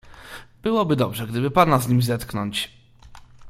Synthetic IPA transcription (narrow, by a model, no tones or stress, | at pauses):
b̥ɘwɔbɘd̪ɔbʐɛɡd̪ɘbɘpanazɲimʲzɛt̪knɔɲt͡ɕ